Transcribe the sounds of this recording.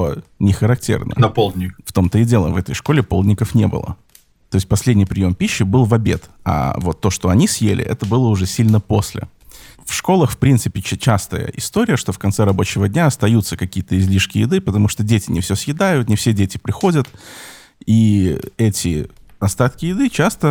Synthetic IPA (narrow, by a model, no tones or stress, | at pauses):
nʲɪxəɾɐk̚tʲḛrnə̰npolˠd̪ʲnʲɪkft̪o̞mt̪əɪdʲe̞lˠə̰vɛt̪əjʂkolʲɪpo̞ldʲnʲɪkəfnʲe̞̰bɨ̰lˠə̰ | t̪o̞ɪsʲt̚ʲpɐsʲlʲedʲnʲɪjpɾʲɪjo̞mpʲiɕːɪbɨlˠvɐbʲe̞t̪a̰vo̞t̪ːo̞ʂt̪o̞ɐnʲisjelʲɪ̰ʔɛt̪əbɨlˠəʊʐɛsʲilʲnəposʲlʲɪ̰ | fʂko̞lˠəxfpɾʲint̪sɨpʲɪt͡ɕast̪əjə̰ʔɪst̪o̞ɾʲɪjəʂt̪ofkɐnt̪sɛɾɐbo̞t͡ɕɪvədʲnʲaɐst̪ɐjut̪sːəkɐkʲijət̪əɪzʲlʲiʂkʲɪjɪd̪ɨpət̪ɐmuʂt̪odʲetʲɪnʲɪfsʲɵsjɪd̪ajʊt̪nʲɪfsʲedʲetʲɪpɾʲɪxo̞dʲət̪ | iɛtʲɪ̰ɐst̪at̪kʲɪjɪd̪ɨt͡ɕast̪ə